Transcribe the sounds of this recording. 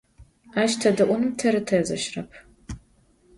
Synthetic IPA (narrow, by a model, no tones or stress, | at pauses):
aːʃtʰɐdɨʔʷʊnɨmtʰɐɾɨtʰɐzɐ̰ʃrɐpʰ